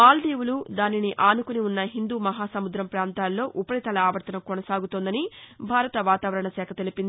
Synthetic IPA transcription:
aːlɖ̪iːwulud̪aːniniʔaːnukuniunːɐɦind̪uːmɐɦaːsɐmud̪ɾɐmpɾaːnt̪aːlːo̞ːʔupɐɾit̪ɐlɐaːʋɐɾt̪ɐnɐmkoɔnɐsaːɡut̪oːnd̪ɐnibʱaːɾɐt̪ɐʋaːt̪aːʋɐɾɐɳɐsɛːkʰɐt̪elipin

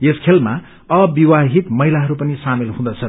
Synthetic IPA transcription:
eskʰelma | ʌbiwaɦit̪mʌɦilaɦʌɾupʌnisamilɦũd̪ʌt͡sʰʌ

